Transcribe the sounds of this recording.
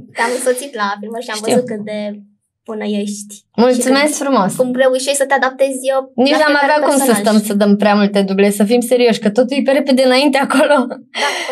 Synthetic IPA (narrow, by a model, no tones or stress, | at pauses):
t̪amɨnsot̪sit̪lafilməʃiaʃvəizut̪̚kɨt̪̚d̪e | punəjeʃt̪ʲ | multt̪sume̞skfɾumo̞skumɾeujʃeʃsət̪ead̪ap̚t̪ezʲəniʃnamaveakumsəst̪əmsəd̪əmpɾeamult̪e̞d̪uble̞səfimse̞ɾio̞ʃʲkət̪o̞t̪uljepeɾe̞ped̪eɨnaint̪eako̞lo̞